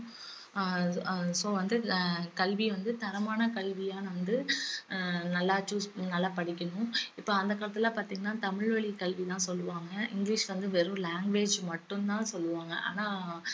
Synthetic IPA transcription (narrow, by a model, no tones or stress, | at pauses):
soːʋɐnd̪ɯkɐɭʋiʋɐnd̪ɯt̪ɐɾɐmaːnɐkɐɭʋijaːnɐʋɐnd̪ɯ | nɐlːaːt͡ʃuːsnɐlːapɐɽɪkʲːɐɳʊ̃ɪpːoːɐnd̪ɐkːaːɭɐt̪ːɪlãːpaːɾt̪iːŋɡɐnaːt̪ɐmɪɭʋɐɭikɐɭʋit̪ãːsɔlːɯʋaːŋɡɐʔɪŋɡliːʂʋɐnd̪ɯʋɛɾɯ̃laːŋɡʋeːd͡ʒmɐʈːɯ̃nt̪ãːsɔlːɯʋaːŋɡɐ̰ʔa̰ːnaː